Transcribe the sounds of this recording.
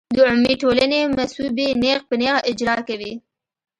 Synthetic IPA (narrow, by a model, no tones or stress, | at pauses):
d̪əʊmːiʈolanemasubeneɣpəneɣaʔɪd͡ʒɾɑkawi